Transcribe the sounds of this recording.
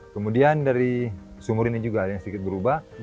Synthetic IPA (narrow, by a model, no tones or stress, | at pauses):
kəmudiandaɾisumʊɾinid͡ʒuɡajaŋsədikɪt̪̚bəɾubah